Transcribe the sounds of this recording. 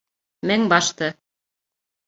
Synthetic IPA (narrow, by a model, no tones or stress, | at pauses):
mæŋbɑʃt̪ɤ